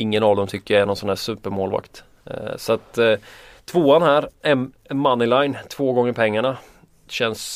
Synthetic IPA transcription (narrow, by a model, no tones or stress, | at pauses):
ɪŋːənɑvd̪ɔmt̪ʰʏkːəjaɛnɔnsɔnd̪æːʂsʉ̟ːpəɾmoːlva̰kt̪ | sat̪ʰː | voːanhæːɾɛn | manːɪlajnt̪ʰv̥oːɡɔŋːəɾpʰɛŋːaɳa | ɕɛns